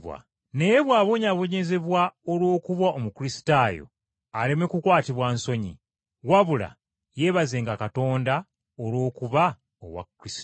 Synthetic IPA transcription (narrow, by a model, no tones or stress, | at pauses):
wa̰ | ne̞jeβwaːβoɲaβo̞ɲe̞ze̞βwaolwo̞ːkuβwaʔomukɾisi̥taːjo̞̰ | alemekukwaːtiβwaːnso̞ɲḭ | waβula̰ | je̞ːβaze̞ːŋɡakato̞ːnda | olwo̞ːkuβa | o̰wa̰kːɾis